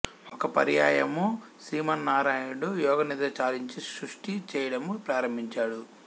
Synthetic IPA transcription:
ɔkɐpɐ̰ɾijaːjɐmusɾiːmɐnːaːɾaːjuɽujɔːɡɐnid̪ɐt͡ʃaːliɲt͡ʃisɾuʂʈit͡ʃɛːjɐɽɐmupɾaːɾɐmbʱiɲt͡ʃaːɽu

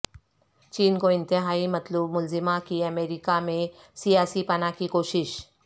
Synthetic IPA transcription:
t͡ʃiːnkoɪ̃nt̪ɪɦaːimɐt̪lubmʊlzɪmakiɐmeːɾɪkamẽ | sijaːsipɐnakikoːʃɪʃ

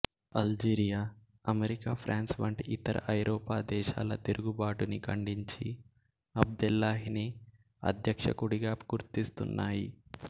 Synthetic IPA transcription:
ɐld͡ʒiːɾijaː | ɐmeɾikaːpʰɾʔaːnsʋɐɳʈiit̪ɐɾɐ̰ʔɐjɾɔːpaːd̪ɛːʃa̰ːlɐt̪iɾuɡubaːʈunikʰɐɳɖiɲt͡ʃi | ɐb̚d̪ulːaːɦini | ɐ̰d̪ʱjɐkʂɐkuɽiɡaːpɐkuɾt̪ist̪unːaːji

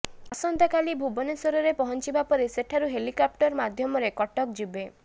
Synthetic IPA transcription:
ɔsɔnd̪ʱɔkalibʱubɔnesɔɾɔɾepɔɦɔnt͡ʃibapɔɾeseʈʰaɾuɦelikɔp̚ʈɔɾmad̪ʱjɔmɔɾekɔʈɔk̚d͡ʒube

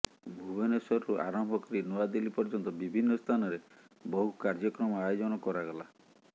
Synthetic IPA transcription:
bʱubɔnesɔɾɔɾuʔa̰ɾɔmbʱɔkɔɾinuad̪elipɔɾd͡ʒɔnt̪ɔbibʱinːɔst̪ʰanɔɾe | bɔɦukaɾd͡ʒɔkɾɔmɔajɔd͡ʒɔnɔkɔɾaɡɔla

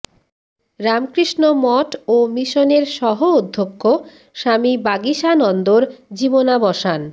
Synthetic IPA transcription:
ɾamkɾiʃnomɔʈomiʃoneɾʃɔɦoud̪ʱːokːo | ʃamibaɡiʃanɔnd̪oɾd͡ʑibonabɔʃan

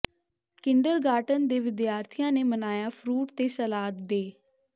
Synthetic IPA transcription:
kɪɳɖəɾɡaːʈənd̪eːʋɪd̪jaːɾt̪ʰijãːneːmənaːjaːpʰɾuːʈt̪eːsəlaːt̪d̪eː

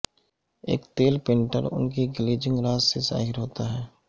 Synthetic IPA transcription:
ḛːkt̪eːlpẽːɳʈəɾʊ̰nk̬iɡɪleːd͡ʒɪ̃ŋɡɾaːzsesa̰ːɦɪɾɦoːt̪aɦɛː

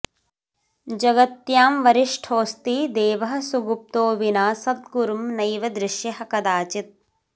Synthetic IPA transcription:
d͡ʒɐɡɐt̪jaːmʋɐɾiʂʈʰoːst̪id̪eːʋɐɦɐ̆suɡup̚t̪oːʋinaːsɐd̪ɡuɾumnɐjʋɐd̪ɾɪʃjɐɦɐkɐd̪aːt͡ʃit̪̚

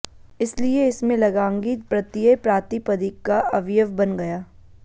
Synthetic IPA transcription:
ɪslieɪsmẽlɐɡãːŋɡiːt̪̚pɾɐt̪jəpɾaːt̪ipɐd̪ikːaʔɐʋjəʋbɐnɡɐjaː

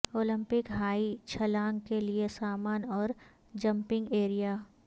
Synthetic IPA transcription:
oːlɪ̃mpɪkɦaːit͡ʃʰɐlãːŋɡkeliesaːmaːnɔːɾ | d͡ʒɐ̃mpɪ̃ŋɡeːɾijaː

